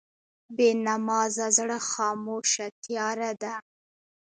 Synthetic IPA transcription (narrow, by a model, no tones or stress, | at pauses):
benamɑzazɽəxɑmoʃat̪jɑɾad̪a